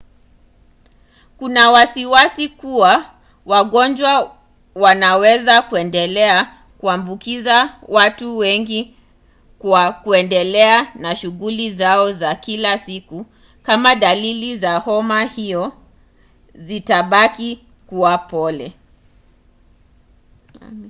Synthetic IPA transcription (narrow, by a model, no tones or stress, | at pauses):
kunawasiwasikuwa | waɠɔnd͡ʒwa | wanawɛzakuɛndɛlɛa | kuambukizawatuwɛŋɡi | kwakuɛndɛlɛanaʃuɣulizaɔzakilasiku | kamaɗalilizahɔmahiɔ | zitaɓaki | kuwapɔlɛ